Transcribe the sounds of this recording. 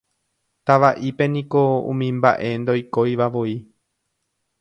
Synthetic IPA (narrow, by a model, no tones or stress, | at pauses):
t̪aʋaʔipe̞nĩko̞ṵ̃mĩmba̰ʔe̞nd̪o̞jko̞jʋaʋo̞i